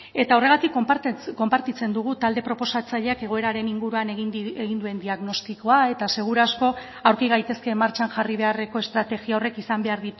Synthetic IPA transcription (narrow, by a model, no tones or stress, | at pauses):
e̞t̪ao̞re̞ɣat̪ikːp̪ko̞mpaɾt̪it͡se̞nd̪uɣ̞ut̪ald̪e̞pɾo̞po̞sat͡saʎeake̞ɣ̞o̞e̞ɾaɾe̞niŋɡuɾuaneɣneɣind̪ue̞nd̪iaɣno̞st̪iko̞ae̞t̪ase̞ɣ̞uɾasko̞ | awɾkiɣ̞ajt̪e̞ske̞maɾt͡ʃanʝariβ̞e̞are̞ko̞e̞st̪ɾat̪e̞ɣiaore̞kisambe̞aɾðit̪u